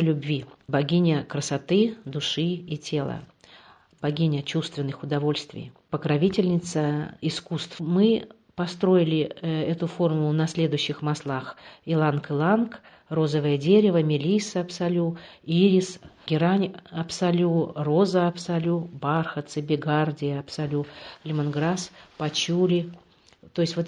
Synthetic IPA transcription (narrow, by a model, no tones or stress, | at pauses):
lʲʊbvʲibɐɡʲinʲəkɾəsɐt̪ɨd̪ʊʂɨitʲʰe̞lˠə̰ | b̥ɐɡʲinʲət͡ɕust̪vʲɪnːɨxʊd̪ɐvo̞lʲst̪vʲɪ̰jpəkɾɐvʲitʲɪlʲnʲɪt̪səɪskust̪vmɨ | pɐst̪ɾo̞ɪlʲɪɛt̪ʊfo̞rmʊlˠʊnɐsʲlʲe̞d̪ʊjʏɕːɪxmɐslˠaxɪlˠankɨlˠank | ro̞zəvəjədʲeɾʲɪvəmʲɪlʲisəɐpsɐlʲuiɾʲɪsɡʲɪɾanʲɐpsɐlʲurozəɐpsɐlʲubarxət̪sɨbʲɪɡardʲɪjəɐpsɐlʲulʲɪmɪnɡɾaspɐt͡ɕulʲɪ | t̪o̞jɪsʲtʲvot̪